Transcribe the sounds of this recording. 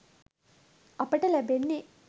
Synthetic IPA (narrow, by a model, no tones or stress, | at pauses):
ɐpɐʈɐlæbenːi